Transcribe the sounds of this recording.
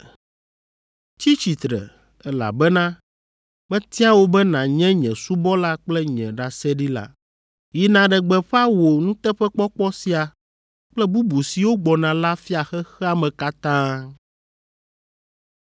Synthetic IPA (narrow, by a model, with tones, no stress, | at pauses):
t͡ɕi˦t͡ɕi˨t̪ɾɛ̰˨ | ɛ˦la̰˨bɛ˦nã˦ | mɛ̃˦t̪i˦a˦wo˦bɛ˦nã˨ɲɛ̃˦ɲɛ̰̃˨su˦bɔ˦la˦k͡plɛ˦ɲɛ̃˨ɖa˨sɛ˦ɖi˦la̰˦ | ji˨nã˨ɖɛ˨ɡ͡bɛ˨ɸɛ˦a˦wo˨nũ˦t̪ɛ˦ɸɛ˦k͡pɔ˦k͡pɔ˦si˨˦a˨ | k͡plɛ˦bu˦bu˨si˨wo˦ɡ͡bɔ˨nã˨la˦fi˦a˨xɛ˦xɛ˦a˦mɛ̃˨ka˦t̪ã˦